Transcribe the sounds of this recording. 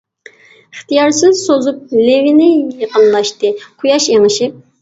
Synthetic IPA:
əχt̪ʰɨjɑɾsɨzsozup̚levɪnɪjəqənlˠɑʃt̪ɨqʰujɑʃeŋɨʃip̚

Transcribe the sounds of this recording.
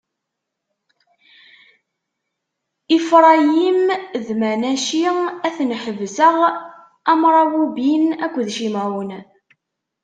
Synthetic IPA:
ifɾˤɑjimðmænæʃiæθnħəvsəʁ | æmɾˤɑwubinækʷːðʃimæwən

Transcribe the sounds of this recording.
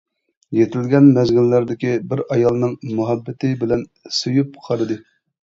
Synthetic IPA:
jet̪ʰɪlɡʲɛnmɛzɡʲɪlːæɾd̪ɪkʲibɪɾɑjɑlˠnɨŋmuɦɛbːɪt̪ʰɪbɪlɛnsojup̚qʰɑɾɨd̪ɨ

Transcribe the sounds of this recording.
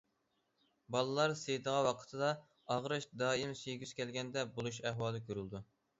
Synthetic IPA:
bɑlˠɨlˠɑɾsejd̪əʁɑwɑqʰə̥t̪ʰɨd̪ɑ | ɑʁɾɨʃd̪ɑːimseɡʲyz̥kʲʰɛlɡʲɛnd̪ɛbolˠuʃ̬æhwɑːlˠɨkʲʰøɾylˠd̪u

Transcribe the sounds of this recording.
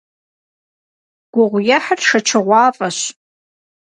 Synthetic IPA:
ɡ̥ʷʊʁʷjaħarʂɐt͡ʃʰɐʁʷɑːfʼɐɕ

